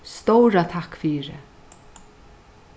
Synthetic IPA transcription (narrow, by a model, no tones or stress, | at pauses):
st̪owɾat̪ʰakːfiːɾɪ̰